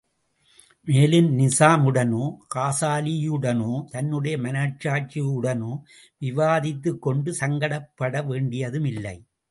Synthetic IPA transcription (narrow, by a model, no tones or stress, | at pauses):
meːlɪnnɪsaːmɯɽɐnoːkaːsaːlijɯɽɐnoːt̪ɐnːɯɽɐjɐmɐnaːt͡ʃːaːt͡ʃijɯɽɐnoː | ʋɪʋaːðɪt̪ːɯkːɔɳɖɯsɐŋɡɐɽɐpːɐɽɐʋeːɳɖɪjɐðɯmɪlːɐ̰ɪ